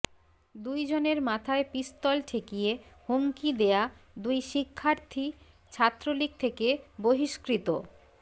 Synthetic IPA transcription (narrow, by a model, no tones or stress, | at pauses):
d̪ujd͡ʑoneɾmat̪ʰaepist̪ɔlʈʰekijehoŋkid̪ead̪ujʃikʰːaɾt̪ʰi | t͡ɕʰat̪ːɾolik̚t̪ʰekeboɦiʃkɾit̪o